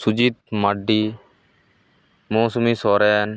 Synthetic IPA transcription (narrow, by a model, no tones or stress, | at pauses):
sʊd͡ʒiːt̪̚maɖiː | moːsʊmiːsoːɾeːn